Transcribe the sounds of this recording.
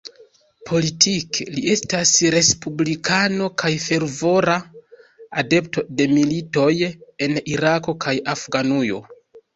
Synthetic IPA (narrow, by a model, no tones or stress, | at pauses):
pʰo̞litʰiklie̞stasɾe̞spublikʰano̞kʰajfe̞ɾvo̞ɾa | ade̞p̚to̞de̞milito̞je̞niɾako̞kʰajafɡanujo̞̰